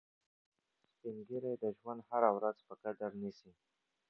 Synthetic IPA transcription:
spiŋɡiɾed̪əʒwand̪haɾawɾazpəkad̪əɾnisi

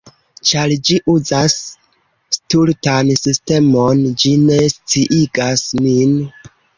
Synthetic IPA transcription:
t͡ʃaɾd͡ʒiʔuzas | stultansiste̞mo̞nd͡ʒine̞st͡siʔiɡasmin

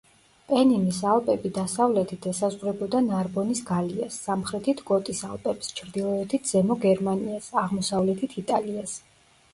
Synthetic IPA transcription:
pʼɛnimisalˠpʼɛbid̪asavlɛt̪ʰit̪ʰɛsazʁwɾɛbɔd̪anaɾbɔnisɡaliasːamχɾɛt̪ʰit̪ʰɡʼɔt̪ʼisalˠpʼɛpst͡ʃʰɾd̪ilˠɔɛt̪ʰit̪ʰz̥ɛmɔɡɛɾmaniasaʁmɔsavlɛt̪ʰit̪ʰit̪ʼalias

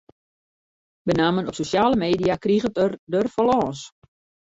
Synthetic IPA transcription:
bənaːmənɔpsosjaːləmeːdijakriɣətərdərfɔlɔːs

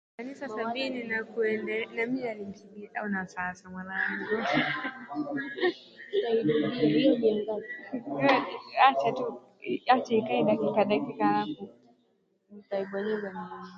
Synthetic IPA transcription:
kanisasabininakuɛndɛnamiɲialim̩sibiaʔaunasasamwanaiɡɔ | i | at͡ʃatu | at͡ʃaikaiɗakikaɗakikaɾaku | nitaiɓwaɲɛɡamaa

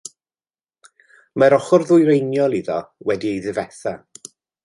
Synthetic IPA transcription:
maɾɔχʊrðʊjɾejnjɔlˠiðɔwɛdiejðɪvɛθa

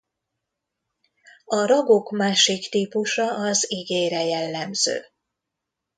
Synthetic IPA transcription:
ɒɾɒɡo̞kmaːʃikt̪iːpuʃɒʔɒziɡeːɾɛjɛlːɛmzø̰ː

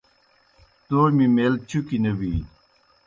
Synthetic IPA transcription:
t̪oːmimeːlt͡ɕʰukinɐbi

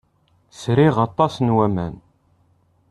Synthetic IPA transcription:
sɾiʁɑt̪ˤːɑsnwæmæ̰n

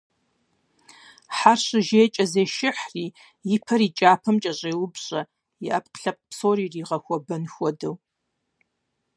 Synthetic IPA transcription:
ħarɕɨʒeːt͡ʃʼɐzeːʃɪħriː | jɪpʰɐɾiːt͡ʃʼaːpʰɐmt͡ʃʼɐɕʼeːwʊbɕʼɐ | jɪʔɐpʼqɬɐp̚ʼpsoːriːriːʁɐxʷɔbɐnxʷɔdɐw

